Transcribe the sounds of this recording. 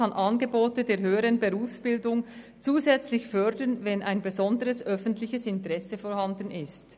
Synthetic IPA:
anʔɑnɡəboːtədeːɐʁɦøːəʁənbeʁuːfsb̥ɪldʊŋ | t͡suːzɛt͡slɪçfœɐdənvɛnʔaɪnbezɔndəʁəsʔœfəntlɪçəsɪntəʁɛsəfoːʁhandn̩ɪst

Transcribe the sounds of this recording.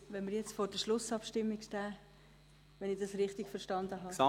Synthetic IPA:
ʋɛnməɾjɛt͡stfoːɾd̥əʃlʊsɑpʃtɪmːikʃtæː | ʋɛnɪd̥ɑsɾɪχtɪɡfəɾʃtɑnd̪əɦɑːsɑ

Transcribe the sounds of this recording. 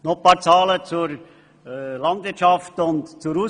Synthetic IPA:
nɔχpɑːt͡sɑːlət͡suɾ | lɑndvɪt͡ʃɑftʊntt͡suɾu

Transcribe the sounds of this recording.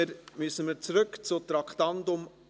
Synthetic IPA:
əɾmysənməɾt͡sɾɵkt͡sʊt̪ɾɑkt̪ɑnd̪ʊm

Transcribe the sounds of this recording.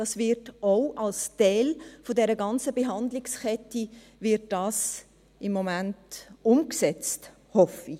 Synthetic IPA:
d̥ɑsvɪɾtoʊʔɑlstɛɪlfodɛɾəɡɑnt͡səbeɦɑndlɪkskʰɛti | vɪt̚d̥ɑːs | ɪmːomæntʊmksɛt͡st | hɔfi

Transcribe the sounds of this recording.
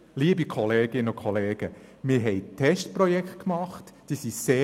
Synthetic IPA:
liːəbikʰɔleːɡ̥ɪnəʊkʰɔleːɡ̥əmɪːɾɦɛɪtʰɛʃtpɾɔjɛkχt̚kmɑχtd̥iːsiseː

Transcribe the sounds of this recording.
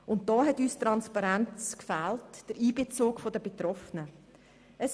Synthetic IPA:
ʊnt̚d̥ɔːɦɛtyːstɾɑnspɑɾɛnt͡skfæːltd̥əɾiːbet͡soːkfodəbetrɔfənə | ʔəs

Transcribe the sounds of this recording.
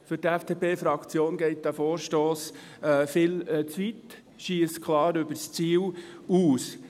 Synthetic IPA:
fʏɾtɛfd̥eːpeːfɾɑkt͡sjoːnɡɛɪt̚d̥̪æfoːɾʃtoːs | ɛfɪlt͡sʋit | ʃiəskʰlɑːɾʏbəɾst͡siːl | uːs

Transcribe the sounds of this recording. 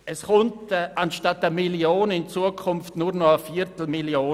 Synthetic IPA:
ɛsχʊntʔanʃtatəmiljoːnɪnt͡suəkʰʊmftnʊrnɔəfiɾtl̩miljoː

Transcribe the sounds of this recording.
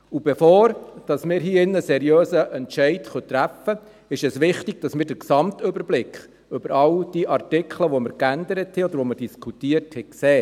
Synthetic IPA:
ub̥ɛfoːɾd̥ɑsmɪːɾɦiːɪnːəsɛɾjøːsəʔɛntʃɛɪtχœt̪ɾæfə | ɪʃɛsʋɪχtɪɡ̥̚d̥ɑsmɪːɾdəɾksɑmt̪ɵbəɾblɪkχ | ʏbəɾɑwd̥iːʔɑrtɪkχləʋɔməɾkændəɾəthɛɔd̪əɾʋɔməɾd̥iskʰutiərthɛkseː

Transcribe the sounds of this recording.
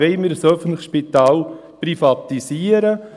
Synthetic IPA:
ɛɪmiːɾsœfən̩tləxʃpit̪ɑːl | prifɑt̪isiːəɾə

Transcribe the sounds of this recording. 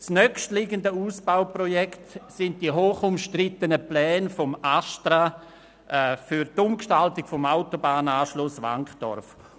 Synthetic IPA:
t͡snœkʃtlɪɡəndəuːsb̥awprɔjɛktsɪnt̚diɦoːχʊmʃtrɪtənəplɛːnfɔmastɾa | ʔɛfyɾtʊmkʃtaltɪɡfɔmaʊtobaːnaːʃlʊsʋa̰ŋkχd̥ɔ̰rf

